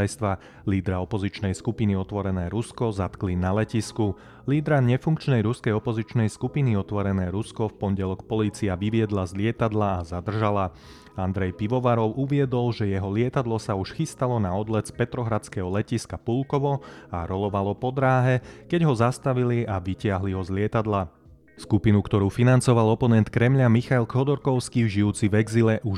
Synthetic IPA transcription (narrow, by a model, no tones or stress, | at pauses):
jst̪ʋa | liːd̪ɾaɔpɔzit͡ʃnɛjskupiniɔt̪ʋɔɾɛnɛːɾuskɔzat̪klinalɛcisku | liːd̪ɾaɲɛfuŋkt͡ʃnɛjɾuskɛjɔpɔzit͡ʃnɛjskupiniɔt̪ʋɔɾɛnɛːɾuskɔfpɔnɟɛlɔkpɔliːt͡siaʋiʋɪɛd̪lazlɪɛt̪ad̪laːzad̪r̩ʒala | and̪ɾɛjpiʋɔʋaɾɔʊʔuʋɪɛd̪ɔlʒɛjɛɦɔlɪɛt̪ad̪lɔsauʃxist̪alɔnaɔd̪lɛspɛt̪ɾɔɦɾat͡skɛɦɔlɛciskapulkɔʋɔaɾɔlɔʋalɔpɔd̪ɾaːɦɛkɛɟɦɔzast̪aʋiliaʋicɪaɦliɦɔzlɪɛt̪ad̪la | skupinukt̪ɔɾuːfinant͡sɔʋalɔpɔnɛnt̪kɾɛmʎamixajlkɔd̪ɔɾkɔʊskiːʒiuːt͡siʋɛɡzilɛʔuʃ